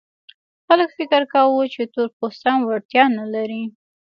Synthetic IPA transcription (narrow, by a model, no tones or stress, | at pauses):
xaləkfɪkɪɾkawut͡ʃet̪oɾposanwaɽt̪jɑnalaɾi